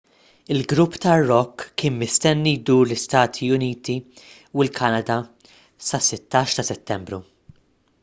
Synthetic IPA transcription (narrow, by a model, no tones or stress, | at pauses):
ɪlɡɾʊpːt̪ɐrːɔkːɪːnmɪst̪ɛnːid̪uːɾlɪst̪ɐːt̪ʰiʊniːt̪i | wɪlkʰɐnɐd̪ɐ | sɐsɪt̪ːɐːʃt̪ɐsɛt̪ːɛmbɾu